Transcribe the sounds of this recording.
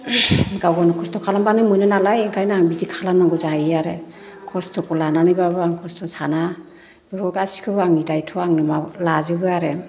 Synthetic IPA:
ɡawɡɔnɔkʰɔstʰɔkʰalambanɯmujnɯnalajiŋkʰajnaaŋbidikʰalamnaŋɡɔzaaɾe | kʰɔstʰɔkɔlananɯjbabɯaŋkʰɔstʰɔsana | bɔɾɔɡasi̥kʰɯbaŋnidajtʰɔaŋnɯmalazɯbɯaɾe

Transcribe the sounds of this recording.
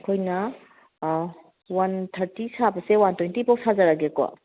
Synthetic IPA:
kʰojnɐ | wantʰɐɾtisabɐsewantojntibawsazaɾaɡekɔ̰

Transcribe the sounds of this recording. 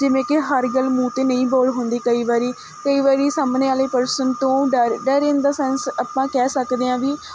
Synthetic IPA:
d͡ʒɪʋẽːkɪɦəɾɡəlːmũːt̪eːnəĩːbɔːɽɦʊnd̪eːkəiːʋaːɾiː | kəiːʋaːɾiːsaːmneːaːleːpəɾsənt̪õːɖəɾɖəɾẽːnd̪aːsɛːnsaːpãːkɛːsəkd̪eːãːʋiː

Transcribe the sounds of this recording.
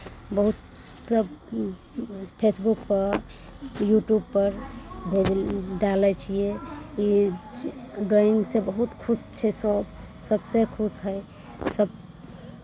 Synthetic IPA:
bəɦut̪ | səb | pʰesbukpəɾ | juʈjubpːəɾbʱed͡ʒɖalɛt͡ʃʰiei | ɖɾaiŋsebəɦut̪kʰust͡ʃʰɛsɔb | səbsekʰusɦəɪ | səb̚

